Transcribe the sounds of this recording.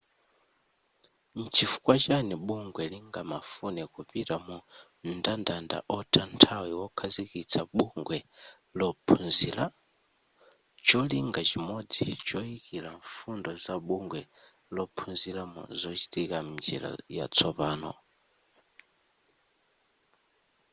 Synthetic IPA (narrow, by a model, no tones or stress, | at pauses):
nt͡ʃʰifu̥kwat͡ʃanɛɓuŋɡwɛliŋɡamafunɛkupiɾamu | ndandanda̰ʔɔtʰantʰawiwɔkʰazikit͡sʰaɓuŋɡwɛ | lɔpʰunzila | t͡ʃɔliŋɡat͡ʃimɔd͡zḭt͡ʃɔjikilaɱfundɔzaɓuŋɡwɛ | lɔpʰunzilamṵzɔt͡ʃitikam̩nd͡ʒḭla̰ja̰t͡sʰɔpaːnɔ̰